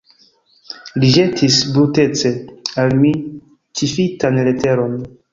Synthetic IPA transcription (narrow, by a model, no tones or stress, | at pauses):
liʒetʰisbɾute̞t͡se̞almi | t͡ʃifitanlete̞ɾo̞n